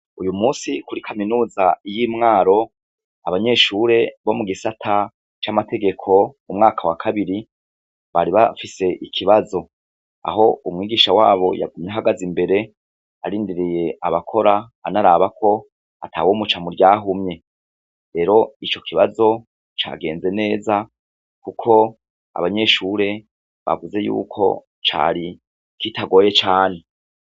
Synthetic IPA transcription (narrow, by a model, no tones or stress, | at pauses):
ujumuːsikuɾikʰaminuːzajiːmŋaːɾo̞ | aβaɲe̞ʃuːɾe̞βo̞muɡisatʰa | t͡ʃamate̞ɡe̞kʰo̞ | umŋaːkʰawakʰaβiɾi | βaɾiβafise̞ʔikʰiβazo̞ | a̰ɦo̞umŋiːɡiːʃawaːβo̞̰ja̰ɡumɲeɦaɡazimbe̞ɾe̞ | aɾiːndiɾije̞ʔaβakʰo̞ɾaːnaɾaβakʰo̞ | a̰tʰaːwoːmut͡ʃamuɾɟaːɦumɲe̞ | ɾe̞ɾo̞it͡ʃo̞kʰiβazo̞ | t͡ʃa̰ɡe̞ːnze̞ne̞ːza | kukʰo̞ | a̰βaɲe̞ːʃuɾe̞ | βa̰vuze̞jṵːkʰo̞̰ | t͡ʃa̰ːɾi | kitaɡo̞ːje̞t͡ʃaːne̞